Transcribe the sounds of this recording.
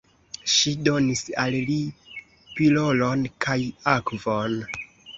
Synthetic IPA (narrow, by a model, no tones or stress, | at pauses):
ʃido̞nisalli | pilo̞lonkʰajakvon